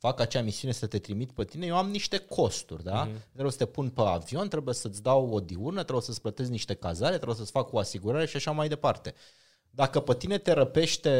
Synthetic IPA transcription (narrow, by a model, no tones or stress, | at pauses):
fakat͡ʃeamisiune̞sət̪e̞t̪ɾimit̪pət̪inejewamniʃt̪e̞kʰo̞st̪ṵrʲd̪aɾebjesət̪epunpea̰vio̞nt̪ɾe̞buje̞sət̪sʲd̪awod̪iurnət̪ɾeesət̪sʲplət̪e̞zniʃt̪e̞kazaɾet̪ɾebsət̪sʲfakoasiɡuɾaɾe̞ʃiʃaʃamajd̪e̞part̪e̞ | d̪akəpət̪ine̞t̪e̞ɾəpe̞ʃt̪e̞